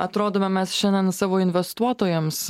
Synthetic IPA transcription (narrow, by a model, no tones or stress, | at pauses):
ɐt̪ɾoːd̪oːmʲɛmʲɛsʃʲɛnʲd̪ʲɛnsɑːʋoːɪnʲʋʲɛst̪uɔt̪oːjɛms